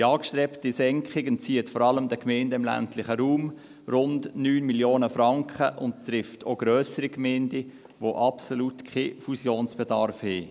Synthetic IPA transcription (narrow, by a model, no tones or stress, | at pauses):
d̥iɑːkʃtɾɛptisɛŋkχɪɡənt͡siːətfɔɾɑləmdəkmɛɪndəɪmlæ̰ntlɪχəɾuːm | rʊndnyːnmiljoːnəfɾɑŋkχəʔʊnttrɪftʰo̰ɡ̥ɾøːsəɾikmɛːnd̥i | ʋoʔɑpsoluːtkʰχeːfusjoːnsb̥ɛdɑɾfhɛː